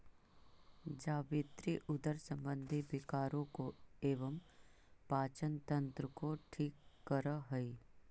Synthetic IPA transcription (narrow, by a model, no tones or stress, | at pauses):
d͡ʒaːʋɪt̪ɾiʔʊd̪əɾsə̃mbə̃nd̪ʱibɪkaːɾõkoeːʋəm | paːt͡ʃənt̪ə̃nt̪ɾəkoʈʰiːkːəɾəɦɐi